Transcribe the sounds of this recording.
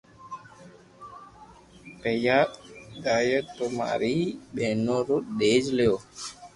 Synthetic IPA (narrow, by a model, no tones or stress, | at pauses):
pejaɗaːjət̪oma̰ɾiɓeːnoɾoɗ̪eːd͡ʒlejoː